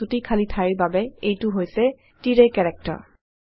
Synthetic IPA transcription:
utikʰalitʰaɹiɹbabɛejtʊɦojsɛ | tiɹekɛɹɛk̚tɔ̰ɹ

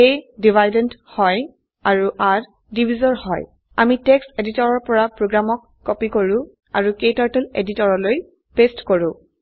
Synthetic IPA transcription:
edibʱajdɛnthɔj | aɹuʔaɹ | dibʱizɔɹhɔ̰j | a̰mitekseditɔɹɔɹpɔɹapɹoɡɹamɔkːɔpikoɹʊ̃ | a̰ɹuketaɹtɛlḛditɔɹɔloj | pestkoɹʊ̃

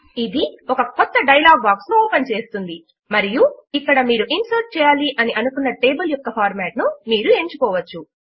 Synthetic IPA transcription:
id̪iɔkɐkɔt̪ːɐɖɐjlaːɡ̚baːksnuoːpɐnt͡ʃe̞ːst̪und̪i | mɐɾijuikːɐɽɐmiːɾuʔinsɐːɾ̚t͡ʃɛːjaːliʔɐniʔɐnukunːɐʈe̞ːbɐljɔkːɐpʰaːɾmɛːʈnumiːɾue̞ːɲt͡ʃukɔːʋɐt͡ʃːu

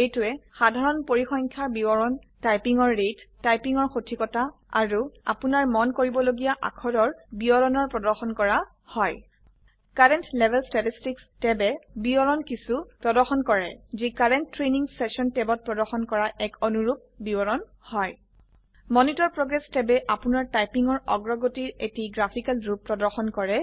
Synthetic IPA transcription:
ejtuɛxadʱaɹɔnpoɹixɔŋkʰabibɔɹɔn | tajpiŋɔɹːetːajpiŋɔɹxotʰikɔta | a̰ɹua̰punaɹmɔnkoɹibɔloɡijaʔa̰kʰɔdɔɹbiɔɹɔnɔɹpɹɔdɔɹxɔnkɔɹa | hɔj | kaɹɛntlɛbʱɛlstatistikstɛbɛbiɔɹɔnkisupɹɔdɔɹxɔnkɔɹɛ̰zikaɹɛntːɹeniŋsɛsɔntɛbɔt̚pɹɔdɔɹxɔnkɔɹaʔɛkonuɹup̚bibɔɹɔn | hɔj | mɔnitɔɹpɹɔɡɹɛstɛbɛʔapunaɹtajpiŋɔɹɔ̰ɡɹɔɡotiɹetiɡɹapʰikalɹupːɹɔdɔɹxɔnkɔɹɛ

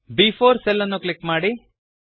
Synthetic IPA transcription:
biːfʰoːɾsɛlːɐnːuklikmaːɽi

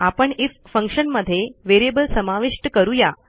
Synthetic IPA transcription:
apəɳiffə̃ŋkʂənməd̪ʱːjeʋeɾebəlsəmaʋiʂʈkəɾuja

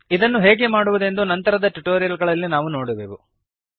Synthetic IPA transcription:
id̪ɐnːuɦeːɡe̞maːɽuʋud̪e̞nd̪unɐnt̪ɐɾɐd̪ɐʈuʈoːɾijɐlɡɐɭɐlːinaːʋuno̞ːɽiʋeːʋu

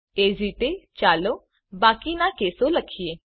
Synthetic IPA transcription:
eːd͡ʒiːt̪et͡ʃaːloː | baːkinãkeːsoləkʰieː

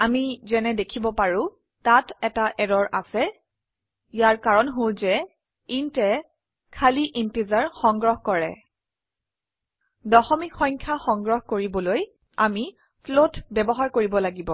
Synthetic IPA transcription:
amizɛnɛdekʰibɔpaɹʊ̃ | tatɛtaʔɛɹɔɹʔa̰sɛ | ijaɹkaɹɔnɦolzɛ | intɛ | kʰaliʔinpizaɹxɔŋɡɹɔɦkɔɹɛ̰ | dɔxɔmikxɔɲkʰaxɔŋɡɹɔɦkoɹibɔloj | ami | pʰlotbɛbɔɦaɹkoɹibɔlaɡibɔ

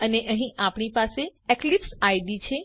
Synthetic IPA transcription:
əneʔəɦĩʔapɳipaseeklipsajɖit͡ʃʰe

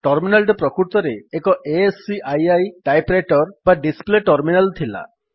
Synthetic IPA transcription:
ʈɔɾminalʈɔpɾɔkuɾt̪ɔɾeekɔʔesiʔajajʈajpɾeʈɔɾbaɖispleʈɔɾminalt̪ʰila̰

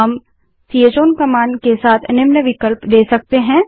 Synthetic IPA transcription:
ɐm | sʰiet͡ʃoːnkɐmaːnkesaːt̪ʰɐnɪmnəʋɪkəlpd̪eːsɐk̚t̪eɦɛ̃ː

